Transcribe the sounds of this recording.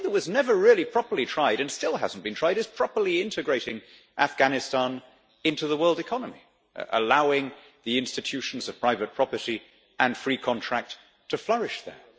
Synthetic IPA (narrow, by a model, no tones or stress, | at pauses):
ðəwʌznɛvə˞ɹɪlˠipʰɹ̥ɑpə˞lˠitʰɹ̥aɪɾɨ̃nstɪlˠɦæ̰zn̩b̥ɨ̃ntʰɹaɪɾɨz̥pʰɹ̥ɑpə˞lˠiɪ̃ntɨɡɹeɪɾɪ̃ŋ | ʔæfɡ̥ænɨstɑ̃n | ɪ̃ntʉðəwɜ˞lˠdɨkʰɑnəmi | ʔə̰laʊɪ̃ŋ | ðiɪ̃nstɨtʰʉʃn̩zʌv̥pʰɹ̥aɪvɨt̚pʰɹ̥ɑpə˞ɾi | ʔɨ̃nfɹikʰɑ̃ntʰɹ̥æk̚tʰ | ɨflʌɹɨʃðə̰˞